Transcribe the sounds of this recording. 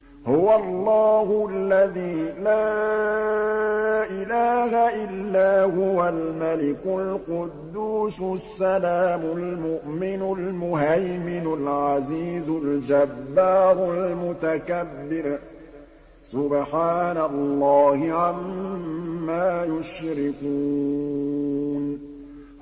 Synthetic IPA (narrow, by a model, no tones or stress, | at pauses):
hʊwalˤːɑːhʊalːaðiːlaː | ʔɪlaːhaʔɪlːaːhʊwalmalɪkʊlqʊd̪ːuːsʊsːalaːmʊlmʊʔmɪnʊlmʊɦajmɪnʊlʕaziːzʊld͡ʒabːaːɾʊlmʊt̪akabːɪɾ | sʊbħaːnalːɑːhɪʕamː | aːjʊʃɾɪkuː | n